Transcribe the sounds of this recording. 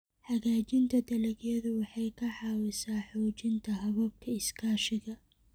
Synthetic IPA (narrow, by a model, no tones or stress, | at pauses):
ħɑɣaːt͡ʃɪnt̪ʰɐd̪ɐlɐɣjɐðʊwɑħɑjkʰɐħɑːwɪsaːħɔːt͡ʃɪnt̪ʰɐɦɐβɔːb̚kʰɐɪskʰaːʃɪɣɐ